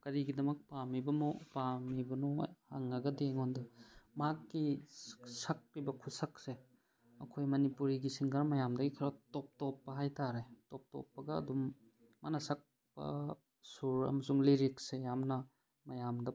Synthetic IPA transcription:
kɐɾiɡidɐmɐk̚pamibɐmopamibɐnohaŋːɐɡɐdeŋondɐmakːi | sɐk̚ɾibɐkʰusɐk̚se | ɐkʰojmɐnipuɾiɡisiŋɡaɾmɐjamdɐɡikʰɐɾɐtɔp̚tɔpːɐɦajtaɾetop̚tɔ̰pːɐɡɐ̰ːdumː | a̰nɐsɐk̚ | pɐ̰ | suɾɐ̰mɐsuŋliɾiksejamnɐ | mɐjamdɐ

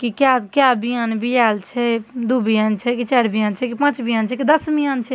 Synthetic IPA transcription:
kikjakjabijanbʱijalt͡ʃʰɛd̪ubijant͡ʃʰɛkit͡ʃaɾbijant͡ʃʰɛkipãt͡ʃbijant͡ʃʰɛkid̪əsbijant͡ʃʰɛ

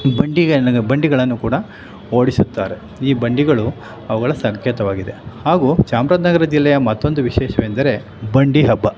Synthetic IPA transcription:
bɐɳɖiɐɡebɐɳɖiɡɐɭɐnːukuːɽɐ | oːɽisut̪ːaːɾe̞ | iːbɐɳɖiɡɐɭu | ɐʋɐɡɐɭɐsɐŋkʰjɐt̪ɐʋaːɡid̪e̞haːɡuːt͡ʃaːmɾaːd̪nɐɡɐɾɐd͡ʒilːɛjɐmɐt̪ːo̞nd̪uʋiʃɛːʃɐʋeːnd̪ɐɾe̞ | bɐɳɖiɦɐbːɐ

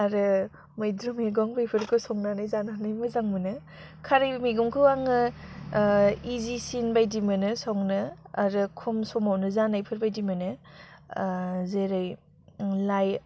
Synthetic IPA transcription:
aɾɯ | mɯjdɾumeɡɔŋbɯjpʰɯɾkʰɯsɔŋnanajzannajmɯzaŋmɯnɯ | kʰaɾɯjmiɡumkʰɯwaŋɯ | izisinbajdimɯnɯsɔŋnɯaɾɯkʰumsɔmawnɯzanajpʰɯɾbajdimɯnɯ | zeɾɯj | laj

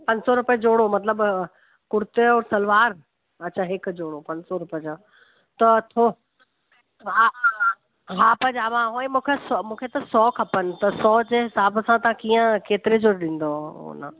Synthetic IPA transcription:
pɐ̃ɲd͡ʑsɔɾʊped͡ʑoːɽomɐt̪ləb | kʊɾt̪eɔːɾsɐlʋaːɾ | ɐt͡ɕʰaɦɪkd͡ʑoːɽopɐ̃ɲsɔɾʊpd͡ʑo | t̪ɐt̪ʰo | a | ɦaːpɐd͡ʑaːʋãɦõẽmũːkʰesɔmũːkʰet̪ɐsɔːkʰɐpənɪ̆t̪ɐsɔːd͡ʑeːɦɪsaːbsãt̪ɐãkiːə̃keːt̪ɪɾed͡ʑoːɾɗĩːn̆d̪oo̰nə

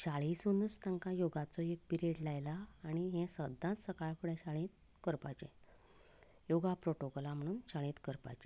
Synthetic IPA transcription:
ɕaɭisunust̪ãŋkãjoɡat͡sɔek̚piɾeɽlajlaːɽ̃iɦɛ̃səd̪ːãt̪səkaɭfuɽɛ̃ɕaɭĩt̪̚ | kəɾpat͡ɕɛ̰̃ | joɡapɾoʈokɔlãm̤əɽ̃uːnt͡ɕaɭẽːt̪kəɾpa̰t͡ɕẽ

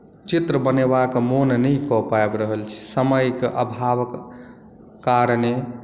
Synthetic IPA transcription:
t͡ʃit̪ɾəbənebakmonnəjkɔpaebɾəɦəlt͡ʃʰi̥səməjkʔə̰bʱaʋəkː | aɾne

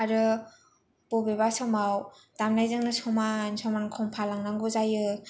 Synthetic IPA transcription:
aɾɯ | b̥ɔbebasɔmaw | d̥amnajzɯŋnɯsɔmansɔmankʰɔŋpʰalaŋnaŋɡuzajɯ

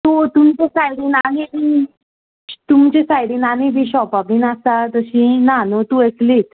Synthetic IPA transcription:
t̪ot̪umt͡ɕesajɽiːnamii | t̪umt͡ɕesajɽiːnamibʱiːɕɔpabiːnasat̪əɕĩnanot̪uekliːt̪

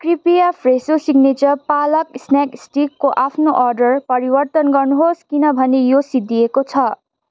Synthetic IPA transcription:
kripijapʰresosiɡnet͡sʌrpalʌksnaksʈikːoʔapʰnoʔɔrɖʌrpʌɾibʌrt̪ʌnɡʌrnuɦoskinʌbʱʌnejosid̪iekot͡sʰʌ

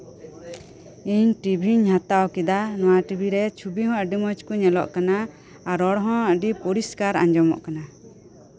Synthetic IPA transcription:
iɲʈibʱiɲɦãt̪awkid̪anɔ̃waʈibʱiɾɛt͡ʃʰubiɦɔ̃əɖimɔd͡ʒkuɲɛlɔ̰ʔkanaː | ɾɔɽɦɔ̃əɖipɔɾiskaɾa̰ɲd͡ʒɔmɔ̰ʔkana

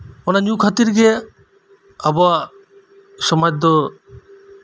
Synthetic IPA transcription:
onanukʰat̪iɾɡe | aba | ʃɔmajd̪ɔ

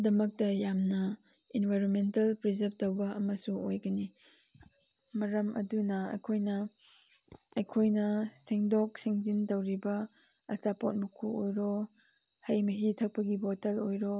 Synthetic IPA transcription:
dɐmɐk̚tɐjamnɐ | inbʱajɾonmentɐlpɾizɐɾb̚tɐwbɐʔɐmɐsuojɡɐni | mɐɾɐmʔɐ̰dunɐɐ̰kʰojnɐ | jkʰojnɐsiŋdok̚siŋzindɐwɾibɐ | ɐsapot̚mukʰuojɾo | hɐjmɐɦitʰɐk̚pɐɡibotɐlojɾo

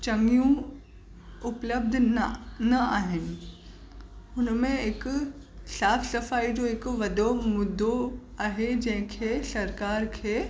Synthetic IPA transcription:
t͡ɕɐ̃ŋɡijũ | ʊpləb̚d̪ʱnnɐaːɦɪnɪ̆ | ʊnmẽɪk | saːfʰsɐfaːid͡ʑoɦɪkʋɐd̪omʊd̪ʱːoaːɦed͡ʑɐ̃ɦɪ̃kʰeːsɐɾkaːɾkʰeː

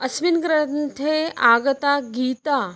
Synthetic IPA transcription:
ɐsminɡɾɐnt̪ʰeaːɡɐt̪aɡiːt̪a

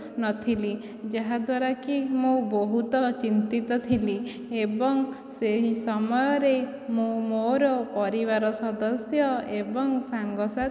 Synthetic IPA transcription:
nɔt̪ʰili | d͡ʒaɦad̪waɾakimubɔɦut̪ɔt͡ʃint̪it̪ɔt̪ʰili | ebɔŋ | seɦisɔmɔjɔɾe | mũmoɾɔpɔɾiβaɾɔsɔd̪ɔsjɔebɔŋsaŋɡɔsa

